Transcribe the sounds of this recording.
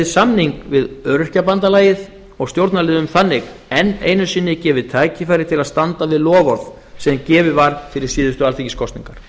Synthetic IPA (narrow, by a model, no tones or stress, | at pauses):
samniŋkvɪðœɾʏr̥capant̪alaːjɪð | ɔɣst̪jowɾt̪nalːðʏʏmθanːɪx | ɛnːḛːjnʏsɪːnːɪcɛːvɪt̪ʰaːjcɪfajɾɪ̥t̪ʰɪlaðst̪ant̪avɪðlɔːɣɔɾð | sɛðncɛːvɪvaɾ̥fɪɾɪɾ̥siːðʏst̪ʏalθici̥skʰɔst̪nḭŋkaɾ̥